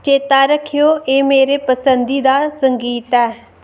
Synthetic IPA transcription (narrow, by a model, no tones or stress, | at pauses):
t͡ʃeːt̪aːɾəkʰːijoːʔeːmeːɾeːpəsənd̪iːd̪aːsəŋɡiːt̪ɛː